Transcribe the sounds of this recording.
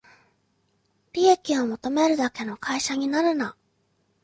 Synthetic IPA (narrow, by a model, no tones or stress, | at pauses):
ɾʲiekʲio̞mo̞t̪o̞me̞ɾɯ̟d̪ake̞no̞kʰaiɕaɲ̟inaɾɯ̟na